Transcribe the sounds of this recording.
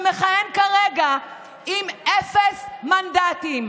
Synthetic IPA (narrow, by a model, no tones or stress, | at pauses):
meχajenkaʁeɡa | imʔefesmandatim